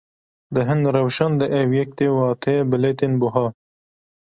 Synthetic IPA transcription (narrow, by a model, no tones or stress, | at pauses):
d̪əɦɪnd̪ɾɐwʃɐnd̪əʔewjek̚t̪ewaːt̪ʰebɪlet̪inbʊɦa